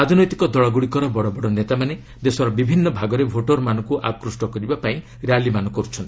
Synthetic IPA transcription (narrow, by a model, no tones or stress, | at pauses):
ad̪ʱinɔjt̪i̥kɔd̪ɔɭɔɡuɽikɔɾɔbɔɽɔbɔɽɔnet̪amane | d̪esɔɾɔbibʱinːɔbʱaɡɔɾebʱoʈɔɾmanɔ̃ŋkuʔakɾusʈɔkɔɾibapaĩ | ɾejalimanɔ̃kɔɾut͡ʃʰɔnt̪i